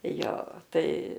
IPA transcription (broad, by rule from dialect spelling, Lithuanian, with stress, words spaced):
ˈjoː ˈtɐɪ